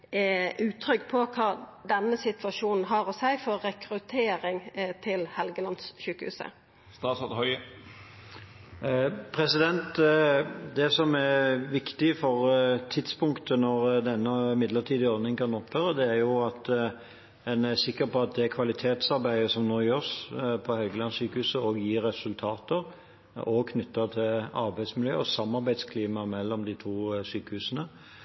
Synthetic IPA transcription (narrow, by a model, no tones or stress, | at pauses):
ʉːt̪ʰɾʏkpʰɔkʰɑːd̪ɛnːəsɪt̪ʋɑʃuːnn̩ɦɑɾɔsæɪfɔɾːɛkɾʉt̪ʰeːɾɪŋt̪ʰɪlhɛlɡəlɑnsʃʉːkəhʉ̰ːsə̰ | st̪ɑːsɔd̪hœʏə | pʰʁɛsɪd̪ɛnt̪ | d̪ɛsɔmæɾʋɪkt̪ɪfɔʁt̪ʰɪd̪spʊŋkt̪ənɔʁd̪ɛnːəmɪd̪ləʈʰiːd̪ɪɔɾd̪nɪŋkʰɑnɔpføːɾəd̪ɛæɾjʊɑt̪ | ɛnæsɪkːəɾpʰɔɑt̪̚d̪ɛækʰʋɑlɪt̪ʰeːt̪sɑɾbæɪəsɔmnoːjøːspʰɔhœɡəlɑnsyːkəhʉːsəɔɡjiːɾːɛsʉlt̪ʰɑːt̪əɾ | ɔkʰnʏt̪ːɑt̪ʰɪlɑɾbæɪsmɪljø̰ːɔsɑmːɑɾbæɪd̪skʰliːmɑmɛlːɔmd̪ɪt̪ʰuːsyːkəhʉːsənə